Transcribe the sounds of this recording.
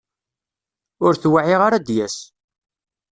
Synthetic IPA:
ʊɾθwaʕiʁaɾad̪jæs

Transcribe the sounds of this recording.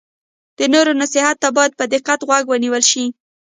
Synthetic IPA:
d̪̥ənoɾonasɪhat̪ːabɑjad̪̚pəd̪ɪqːat̪ɣwaɡwəniwəlʃi

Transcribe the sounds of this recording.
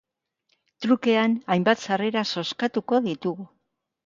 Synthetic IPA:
t̪ɾuke̞anajmbat̪sare̞ɾaso̞skat̪uko̞ðit̪uɣu

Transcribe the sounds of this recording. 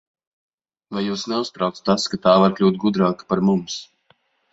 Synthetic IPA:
vajuːsnɛusp̪ɾawt̪st̪askat̪aːvaɾklʲuːt̪̚ɡud̪ɾaːkḁpaɾmums

